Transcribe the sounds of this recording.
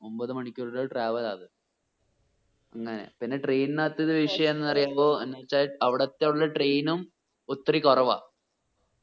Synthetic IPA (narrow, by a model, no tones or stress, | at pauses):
ombɐðɨmɐɳikʲːuɽoʈraːʋɐlaːðɨ | ɐŋːɐnḛpinːe̞ʈreːnnaːt̪ːiðɨʋiʂɐjɐmenːɨɐrijaːʋoːenːet͡ɕːaːʈɐʋiɽɐt̪ːeɭːɐʈrejnum | ot̪ːɐrikorɐʋa̰ː